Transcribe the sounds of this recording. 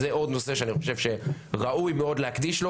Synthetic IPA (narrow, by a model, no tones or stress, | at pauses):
zeo̞d̪no̞se̞ʃeaniχo̞ʃe̞vʃe̞ʁaujmeo̞d̪lehakd̪iʃlo